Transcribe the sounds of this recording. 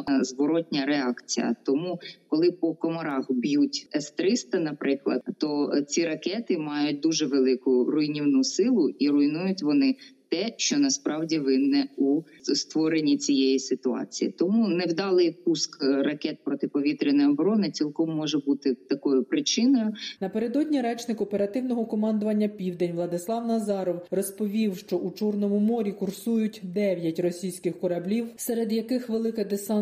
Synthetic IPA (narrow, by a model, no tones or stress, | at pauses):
zʋɔɾɔtʲnʲɐɾeɑkt͡sʲijɐ̰t̪ɔmukɔlˠɪpɔkɔmɔɾɑxbjutʲɛst̪ɾɪst̪ɐnɐpɾɪklˠɐ̰d̪t̪ɔt͡sʲiɾɐkɛt̪ɪmɑjʊt̚ʲd̪uʒɛʋelˠɪkʊrʊjnʲiwnusɪlˠʊiɾʊinujʊtʲʋɔnɪt̪ɛʃt͡ʃɔnɐspɾɑwdʲiʋɪnːɛu | st̪ʋɔɾenʲːit͡sʲijejisɪt̪ʊɑ̰t͡sʲijḭt̪ɔmunɛwd̪ɑlˠɪjpuskrɐkɛt̪̚pɾɔt̪ɪpɔʋʲit̪ɾʲɪnɐjɔbɾɔnɪt͡sʲilˠkɔmːɔʒɛbut̪ɪt̪ɐkɔjʊpɾɪt͡ʃɪnɔjʊnɐpe̞ɾe̞d̪ɔdʲnʲiɾɛt͡ʃnɪkɔpeɾɐt̪ɪwnɔɦɔkɔmɑnd̪ʊʋɐnʲːɐpʲiwd̪enʲʋlˠɐd̪ɪslˠɑwnɐzɑɾɔwrɔspɔʋʲiwʃt͡ʃɔʔut͡ʃɔrnɔmʊmɔɾʲikʊrsujʊtʲd̪ɛʋʲjɐtʲrɔsʲijsʲkɪxkɔɾɐblʲiwsɛɾed̪jɐkɪxʋelˠɪkɛd̪esɑn